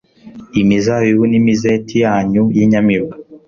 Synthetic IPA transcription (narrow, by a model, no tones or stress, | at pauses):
imizawiwunimizetijaːɲujiɲamiβa